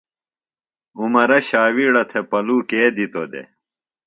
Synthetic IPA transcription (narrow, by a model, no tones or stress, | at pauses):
umɐɾɐɕaːwiɽɐt̪ʰepɐluːkeːd̪it̪od̪ḛ